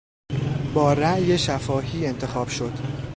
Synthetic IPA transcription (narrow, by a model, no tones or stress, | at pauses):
bɒːɾæʔje̞ʃæfɒːɦiːe̞nt̪ʰe̞xɒːb̥ʃo̞d̪̥